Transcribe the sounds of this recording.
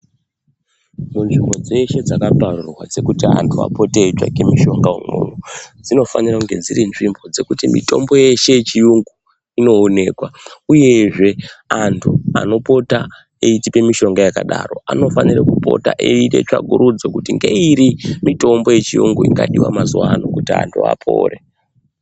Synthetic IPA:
munʐimbo̞d͡ze̞ʃe̞d͡zakaparurwa̰d͡ze̞kutia̰ntʰua̰po̞tet͡ʃa̰kemiʃo̞ŋɡaumṵnud͡zino̞fanirakuŋɡe̞d͡ziɾinʐimbo̞d͡ze̞kutimḭto̞mbo̞je̞ʃe̞jet͡ʃijuŋɡu | ino̞ːne̞ːkwauje̞ʐe̞antʰua̰no̞po̞ta | eitipe̞miʃo̞ŋɡajakaɗaro̞̰ano̞fanirakupo̞̰ta̰ʔeiɗe̞̰t͡ʃaɡʱuɾud͡zokutiŋɡe̞̰iɾimito̞mbo̞je̞t͡ʃijṵŋɡuiŋɡaɗiwa̰mazuwanokutia̰ntʰua̰pʰo̰ːre

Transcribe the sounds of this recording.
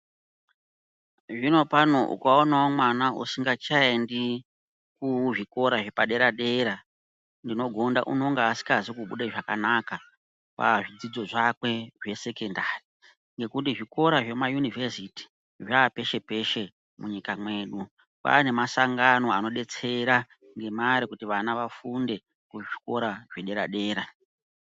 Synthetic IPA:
ʐino̞panoʔṵkaonaomwanausiŋɡat͡ʃaendi | kuʐiko̞ɾaʐe̞paɗe̞ɾaɗe̞ɾa | ndino̞ɡʱo̞nda̰ʔuno̞ŋɡeːsi̥kazikuɓṵɗeʐaka̰naka | pa̰ʐid͡zid͡zo̞ʐakwe̞ʐe̞se̞kendari | ŋɡe̞kutiʐiko̞ɾaʐe̞majunivesiti̥ | ʐape̞ʃe̞pe̞ʃe̞ | muɲikamwe̞ːɗu | pa̰ne̞masaŋɡano̞ano̞ɗe̞t͡se̞ɾa | ŋɡe̞maɾikutiʋanaʋafunde̞ | kuʐiko̞ɾaʐ̥eɗe̞ɾaɗe̞ːɾa

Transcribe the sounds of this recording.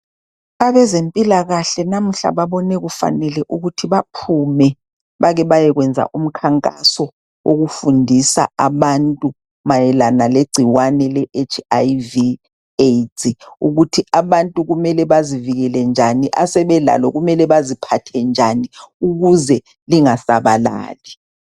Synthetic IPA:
aβɛzempʼilaɣaɬɛnam̩ɬa̰βaβɔnɛɣufa̰nɛlɛʔuɣutʰiβapʰumɛ | βaɣɛβajɛɣwɛnd͡zʱa̰ʔum̩kʰaŋkʼa̰sɔ | wʔoɣufundʱisa̰aβantʼu | majɛlanaleɡ͡ǀʱiwanɛlɛʔet͡ʃʰajvi | etʰʼiuɣutʰiʔaβantʼuɣumɛlɛβaziviɣɛlɛnd͡ʒʱaniʔasɛβɛla̰lɔɣumɛlɛβazipʰatʰɛnd͡ʒʱaniuɣuzɛ | liŋasaβala̰ːli

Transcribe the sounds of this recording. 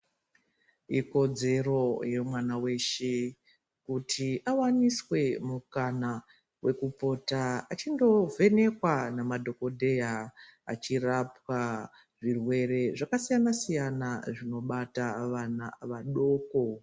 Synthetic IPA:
iko̞d͡ze̞ro̞je̞mwanawe̞ʃe | kutʰiʔawaniswe̞mukana | wʔe̞kupo̞taat͡ʃindo̞ve̞ne̞kwanamadʱo̞ko̞dʱe̞jaa̰t͡ʃirapwa | ʐirwe̞ɾe̞ʐakasijanasijanaʐino̞ɓataʋana̰ʋaɗo̞ːko̞

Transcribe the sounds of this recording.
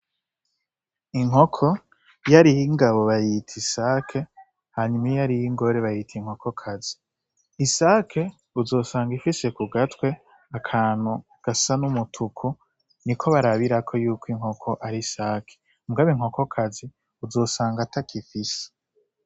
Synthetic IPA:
iŋɦo̞kʰo̞ | jaɾijiŋɡaβo̞βajitʰisakʰe̞ | haɲumajaɾijiŋɡo̞ɾe̞βajitʰiŋ̥ho̞kʰo̞kʰazi | isaːkʰe̞ | uzo̞ːsaːŋɡifise̞kuɡatkwe̞ | akʰaːn̥hu | ɡ̥asanumutʰukʰu | nikʰo̞βaɾaβiɾakʰo̞juːkʰwiŋ̥ho̞kʰo̞ʔaɾisaːkʰe | muɡaβiŋho̞ko̞kʰazi | uzo̞ːsaːŋɡatakʰifise̥

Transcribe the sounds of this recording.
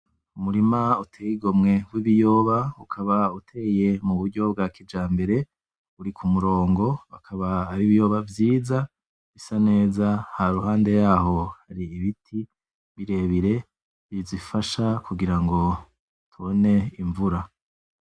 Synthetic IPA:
umuɾimautʰeːjiɡo̞mŋe̞wiβijo̞ːβaukʰaβautʰe̞ːje̞muβuɾɟo̞b̚ɡaːkid͡ʒaːmbe̞ɾe̞ | uɾikʰumuɾo̞ːŋɡo̞akʰaβaːɾiβijo̞ːβavjiːza | βisane̞ːzahaɾuhaːnde̞jaːɦo̞haɾiːβitʰi | βiɾe̞βiɾe̞ | izifaʃakʰuɡiɾaŋɡo̞ | tʰuone̞iɱvuɾa

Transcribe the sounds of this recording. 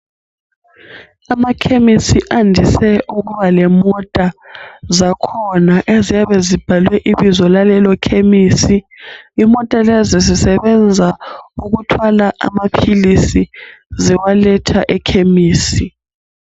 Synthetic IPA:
amakʰemisiʔandʱisɛuɣuβalɛmɔtʼazakʰɔnaʔezijaβɛzib̥ʱalwɛʔiβizɔlalɛlɔkʰemiːsi | imɔtʼalɛzizisɛβɛnd͡zʱauɣutʰwalaʔa̰mapʰilisizɛwalɛtʰaʔɛkʰemiːsi

